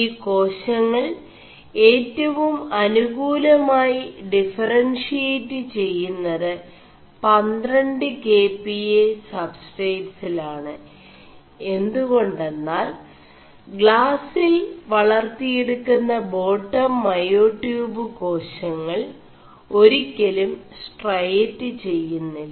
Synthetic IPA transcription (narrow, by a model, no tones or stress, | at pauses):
iːko̞ːɕɐŋːɐɭ | e̞ːtːɐʋumɐnuɣuːlɐmaːjiɖifɐrɐnʂijetːɨt͡ɕe̞jːunːɐðɨ | pɐnd̪rɐɳɖɨke̞ːpːiesɐbsʈejʈsilaːɳɨ | e̞nd̪uɣo̞ɳɖe̞nːaːl | ɡɭaːsilʋɐɭɐrt̪ijeɽukːunːɐbo̞ːʈːɐmːɐjoːʈjuːbɨko̞ːɕɐŋːɐɭ | o̞ɾikʲːɐlumsʈrɐjetːɨt͡ɕe̞jːunːil